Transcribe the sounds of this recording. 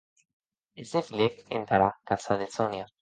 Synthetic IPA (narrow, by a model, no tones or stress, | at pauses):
ezd̪efilekent̪aɾakasaðet͡sonja